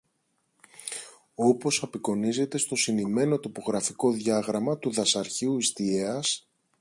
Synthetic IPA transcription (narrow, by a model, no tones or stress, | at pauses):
o̞po̞sɐpiko̞nize̞t̪e̞st̪o̞sinime̞no̞t̪o̞po̞ɣɾɐfiko̞ðʝɐɣɾɐmɐt̪uðɐsɐɾçiuist̪ieɐs